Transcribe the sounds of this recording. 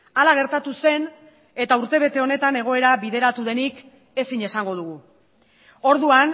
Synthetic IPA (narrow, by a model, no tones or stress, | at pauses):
alaɣ̞e̞ɾt̪at̪use̞n | e̞t̪auɾt̪e̞β̞e̞t̪e̞o̞ne̞t̪ane̞ɣ̞o̞e̞ɾaβiðe̞ɾat̪uðe̞nik | e̞siɲe̞saŋɡo̞ð̞uɣ̞u | o̞ɾðuan